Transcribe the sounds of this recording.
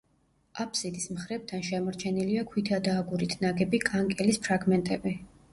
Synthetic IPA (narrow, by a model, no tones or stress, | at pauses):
apʰsid̪ismχɾɛb̚t̪ʰanʃɛmɔɾt͡ʃʰɛniliakʰwit̪ʰad̪aːɡuɾit̪ʰnaɡɛbikʼaŋkʼɛlispʰɾaɡmɛnt̪ʼɛbi